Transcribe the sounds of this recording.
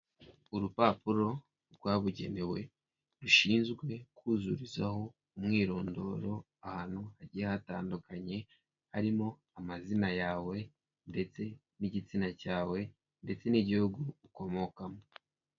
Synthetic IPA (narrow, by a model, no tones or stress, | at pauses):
uɾupapuɾo̞ | ɾɡwaːβuɟe̞̰ne̞we̞ | ɾuʃiːnzɡwe̞kuːzuɾizaho̞ | umŋiːɾo̞ːndo̞̰ːɾo̞ | ahaːn̥huhaɟiahataːndukʰaɲe̞ | haɾimo̞ | amazinajaːwe̞ | nde̞t͡se̞ | niɟit͡sinacaːwe̞ | nde̞t͡se̞niɟihuɡuɾuko̞mo̞kamo